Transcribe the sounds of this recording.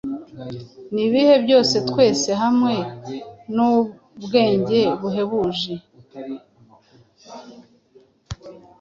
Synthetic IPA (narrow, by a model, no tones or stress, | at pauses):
niβihe̞bjo̞ːse̞twe̞ːse̞ɦamŋe̞nu | bɡe̞ːɲɟe̞βuɦe̞βuʒe